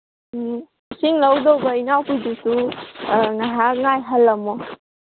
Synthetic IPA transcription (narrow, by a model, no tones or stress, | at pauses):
misiŋlawdowbɐinawpijdusu | ŋaɦaŋajɦəlːɐmɔ